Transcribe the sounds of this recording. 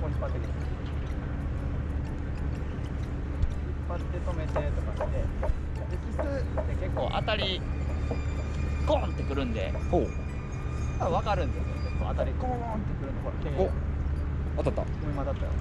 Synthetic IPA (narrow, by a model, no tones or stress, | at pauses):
kõpat̪ːekʲi | ipːat̪ːe̞t̪o̞me̞t̪e̞t̪o̞kaɕi̥t̪e̞ | d̪ekʲisɨt̪ːeke̞kːo̞̰ːʔa̰t̪aɾʲi | ɡ̥õnt̪ːe̞kɯ̟ɾɯ̟̃nd̪e̞̰ho | maβakaɾɯ̟̃nd̪esoneke̞kːo̞̰ːat̪aɾʲiɡõ | nt̪ːekɯɾɯ̟nokoɾa̰keo | at̪at̪ːa̰ | ɯ̃mad̪at̪ːa̰jo̰